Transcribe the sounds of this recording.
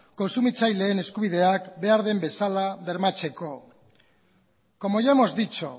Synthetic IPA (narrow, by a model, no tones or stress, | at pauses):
ko̞nsumit͡sajle̞ːne̞skuβiðe̞akbe̞aɾðe̞mbe̞salaβe̞ɾmat͡se̞ko̞ | ko̞moʝamo̞zd̪it͡ʃo